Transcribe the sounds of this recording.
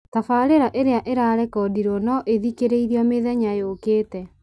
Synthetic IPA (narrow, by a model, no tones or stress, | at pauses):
tafaɾeɾaʔeɾeaʔeɾaɾɛkɔdiɾɔnɔʔeðikeɾeiɾiɔmeðɛɲajokeːtɛ